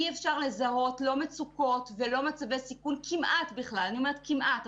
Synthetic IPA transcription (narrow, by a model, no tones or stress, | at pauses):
iefʃaʁle̞zaɦo̞tlo̞met͡suko̞tve̞lo̞mat͡savesikunkʰimʔatbiχlalaniomeet̪̚kimʔat